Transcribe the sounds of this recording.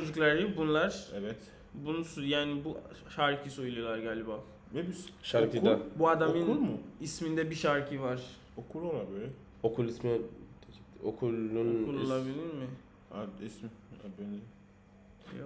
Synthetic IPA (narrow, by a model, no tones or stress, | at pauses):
t͡ʃod͡ʒuklˠaɾjibunlˠaɾ̥ɛvɛt̪ | bunusujaːnibuʃaɾcʰisojulˠujolˠaɾɡaːlʲːibaː | nebisʃaɾkid̪abuad̪amɯnulˠmʊismind̪ɛbiʃaɾcʰivaɾ̥ | okʰulˠolˠabølʲɛ | okulˠismɛ | okʰulˠːunulˠolˠabilʲiɾmɪ | a̰ismia̰beni | jo